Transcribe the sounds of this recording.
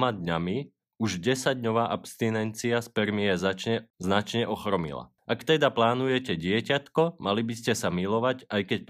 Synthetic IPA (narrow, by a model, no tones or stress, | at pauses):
mad̪ɲami | uʒɟɛsaɟɲɔʋaːʔapst̪inɛnt͡siaspɛɾmiɛzat͡ʃɛznat͡ʃɲɛʔɔxɾɔmḭla̰ | ʔakt̪ɛd̪aplaːnujɛcɛɟɪɛcat̪kɔmalibiscɛsamilɔʋacajkɛc̚p